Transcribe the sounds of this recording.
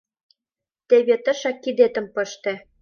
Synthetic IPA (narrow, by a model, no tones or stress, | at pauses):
t̪eβet̪ɤ̆ʃɑkːid̪et̪ə̆mpɤ̆ʃt̪ĕ